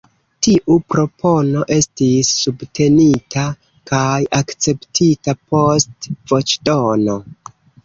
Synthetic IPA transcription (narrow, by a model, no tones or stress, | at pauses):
tiʔupɾo̞pʰo̞no̞ʔe̞stisːubtʰe̞nitʰa | kajakt͡se̞ptʰitapo̞stvo̞t͡ʃdono̞